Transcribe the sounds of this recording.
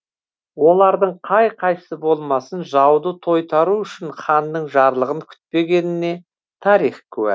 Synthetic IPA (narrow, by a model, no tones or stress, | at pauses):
wo̞lˠɑɾd̪əɴqʰɑjqʰɑjsəbo̞lˠmɑsənʒɑwd̪ət̪ʰo̞jt̪ʰɑɾuʏʃɪnχɑnd̪əɴʒɑɾlˠəʁəŋkʲʰʏ̥t̪̚pe̞ɡʲe̞nɪne̞ | t̪ʰɑɾijχkʲʰɵwæ̰